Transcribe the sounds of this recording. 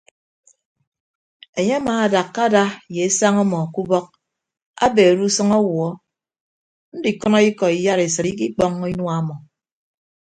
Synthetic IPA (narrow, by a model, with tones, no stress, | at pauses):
e˨ɲe˦a˦maː˨a˨da˨kːa˦da˦je˨e˦sa˦ŋɔ˦mɔ˨ku˦bɔ˦k̚ | a̰˦be˨ɾu˦sɨ˦ŋɔ˦wɔ˦ | n̩˦di˨kɔ˦nɔ˦i˦kɔ˨i˨ja˦ɾe˨sɨ˨ɾi˦k̬i˦k͡pɔ˦ŋ˦i˦nwa˦mɔ˨